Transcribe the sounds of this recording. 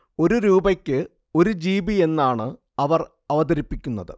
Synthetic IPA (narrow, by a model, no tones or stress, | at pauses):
o̞ɾuɾuːbɐkʲːɨ | o̞ɾud͡ʑiːbie̞nːaːɳɨ | ɐʋɐr | ɐʋɐðɐɾipːikʲːunːɐðɨ̰